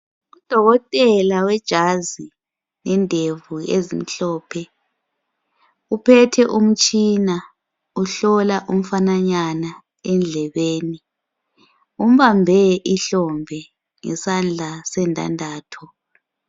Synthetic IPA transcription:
ud̥ʱɔɣɔtʼɛlawɛd̥ʒ̥ʱazi | nɛndʱevuezim̩ɬɔːpʰɛ | upʰɛtʰɛʔum̩t͡ʃʼina | uɬɔlaʔum̩fanaɲana | ɛnd͡ɮʱɛβeːni | um̩βambʱɛʔiɬɔmbʱɛ | ŋɛ̰sand͡ɮʱasɛntʼa̰ndʱaːtʰɔ

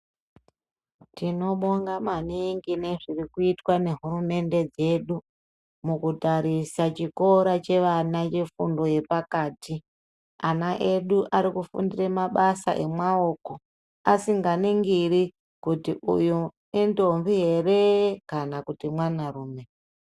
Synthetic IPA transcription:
tino̞ɓoŋɡamaniŋɡine̞ʐirikuitwane̞ɦuɾume̞nde̞d͡ze̞ɗu | mukutaɾisat͡ʃiko̞ɾat͡ʃe̞ʋanat͡ʃe̞fundo̞je̞pakaːti | anaʔe̞ɗuʔaɾikufṵndiremaɓasa̰ʔe̞mwao̞ːko̞ | asiŋɡaniŋɡiɾi | kutiʔṵjo | endo̞mviɦe̞rekanakutimwanaruːme̞

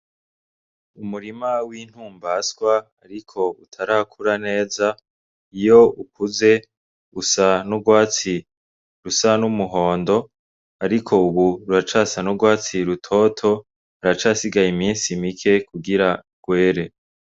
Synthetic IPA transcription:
umuɾimawiːn̥huːmbasɡwaːɾikʰo̞utʰaɾaːkʰuɾane̞ːza | ijo̞ukuze̞ | usanuɡwaːt͡si | ɾusanumuɦo̞ːndo̞ | aɾikʰo̞uβuɾuɾat͡ʃaːsanuɡwaːt͡siɾutʰo̞ːtʰo̞ | aɾat͡ʃaːsiɡajimiːnsimikʰe̞kuɡiɾa | ɡ̥we̞ːɾe̞

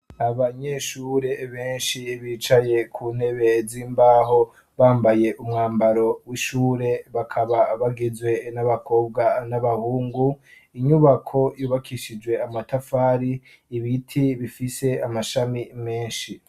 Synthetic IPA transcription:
aβaɲe̞ʃuːɾe̞βeːnʃiβit͡ʃaje̞kʰuːn̥he̞βe̞ziːmbaːɦo̞ | βaːmbaje̞ʔumŋaːmbaɾo̞wiʃuːɾe̞βakʰaβaβaɡizwe̞naβakʰo̞ːb̚ɡanaβahuːŋɡu | iɲuβakʰo̞juːβakʰiʃid͡ʒwe̞amatafaːɾiː | βitʰiβifise̞amaʃamime̞ːnʃi

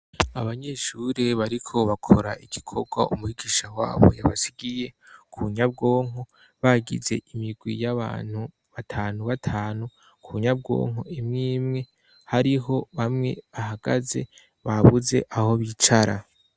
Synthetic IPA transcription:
aβaɲe̞ːʃuɾeβaɾikʰo̞βakʰo̞ɾaʔiɡ̥ikʰo̞ɡwaṵmuhiɡiːʃawa̰ːβo̞̰jaβasiɡije̞kʰuɲab̚ɡo̞ːŋ̥o | βaɡḭze̞̰imiɡwijaβa̰ːn̥hu | βatʰaːnuβatʰaːnu | kʰuɲab̚ɡo̞̰ːŋoimŋiːmŋe̞ | haɾiɦo̞βamŋe̞̰βahaɡ̥a̰ze̞ | βaβuze̞̰ʔaho̞βit͡ʃaɾa

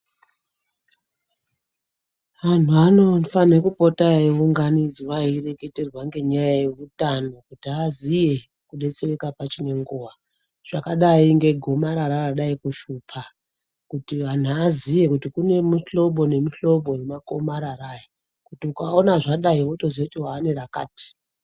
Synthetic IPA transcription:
an̤uano̞fanekupo̞tajeuŋɡanid͡ziʋaire̞ke̞te̞rwaŋɡe̞ɲajajeʋutano̞kutiazije | kuɗe̞t͡serekapat͡ʃine̞ŋɡuːʋa | ʐ̥akaɗaiŋɡe̞ɡʱo̞maɾaɾaraɗaikuʃuːpʰa | kutiʋan̤uazije̞kutikune̞muɬo̞ɓo̞ne̞muɬo̞ɓo̞jemako̞maɾaraja | kutiukaonaʐaɗaiɓoto̞zet͡ʃoɦaːne̞ɾaka̰ːti̥

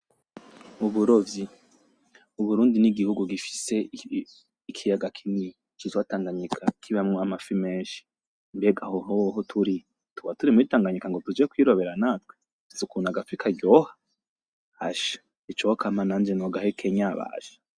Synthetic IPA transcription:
uβuɾovji | uβuɾuːndiniɡihuɡuɡifi̥se̞ | ikʰijaɡakʰini | t͡ʃitwataːŋɡaɲikʰakʰiβamŋoamafimeːnʃi̥ | mbeɡahoɦoɦotʰuɾi | tuβatuɾimuitaːŋɡaɲikaŋɡotud͡ʒiekwiːɾoβe̞ɾanaːtwe | itukunaɡafikʰaɡɟohḁ | ha̰ʃḁ | it͡ʃookʰamanaːnd͡ʒenoɡahekʰeɲaβa̰ːʃḁ

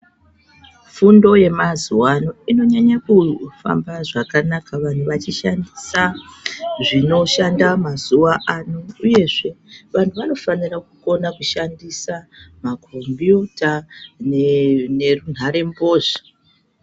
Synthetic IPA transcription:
fundo̞je̞mazuwanoino̞ɲaɲakufa̰mbaʐakanakaʋan̤uʋat͡ʃiʃandisa | ʐino̞ʃandamazuʋaʔanouje̞ʐe̞ʋantuʋano̞fanirakuko̞nakuʃandisamakʰombjuta | ne̞run̤aɾe̞mbo̞ːʐḁ

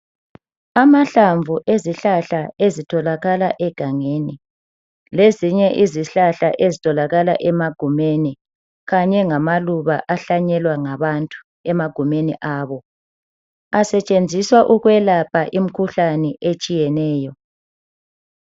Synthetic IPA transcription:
amaɬaɱvʱuʔeziɬaɬaezitʰɔlaɣalaʔɛɡ̥ʱaŋeːni | leziɲɛʔiziɬaɬaʔezitʰʼɔlaɣalaʔɛmaɡ̥ʱumeni | ɣaɲɛŋamaluβaʔaɬaɲɛlwaŋaβantʼu̥ | ɛmaɡ̥ʱumeniʔaːβɔ | asɛt͡ʃʼend͡zʱiswaʔuɣwɛlapʰaʔim̩kʰuɬanɛʔet͡ʃʼijɛnɛːjɔ

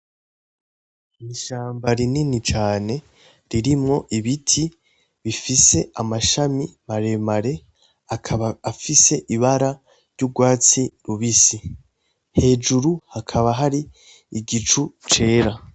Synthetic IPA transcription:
niʃaːmbaɾininit͡ʃaːne̞ | ɾiɾimŋo̞ʔiβitʰi | βifise̞ʔamaʃamimaɾe̞maɾe̞ | aafise̞ʔiβaɾa | ɾɟuɡwaːt͡siɾuβisi | he̞ːd͡ʒuɾuhakʰaβaɦaɾiː | ɡit͡ʃut͡ʃe̞ːɾa

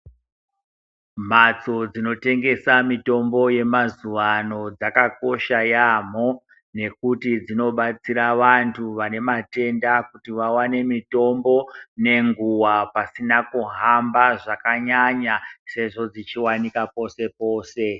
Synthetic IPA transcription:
m̤at͡so̞d͡zino̞te̞ŋɡe̞samito̞mbo̞je̞mazuʋano̞d͡zakako̞ʃajam̤o̞ | ne̞kutid͡zino̞ɓat͡siɾaʋantʰuʋane̞mate̞ndakutiʋawane̞mito̞mbo̞ne̞ŋɡuwapasinakuɦambaʐakaɲaɲase̞ʐo̞d͡zit͡ʃiwanikapo̞se̞po̞ːse̞

